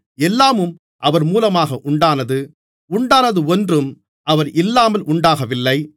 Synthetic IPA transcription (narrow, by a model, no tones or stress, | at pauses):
ɛlːaːmɯm | ʔɐʋɐɾmuːlɐmaːɣɐʔʊɳɖaːnɐðɯ | ʊɳɖaːnɐðɯɔndrɯm | ʔɐʋɐɾʔɪlːaːmɐlʔʊɳɖaːɣɐʋɪlːɐɪ